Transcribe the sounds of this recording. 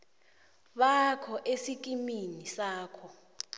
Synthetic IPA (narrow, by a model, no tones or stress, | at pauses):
ɓakʰɔʔesik̬ʼiminisaːkʰɔ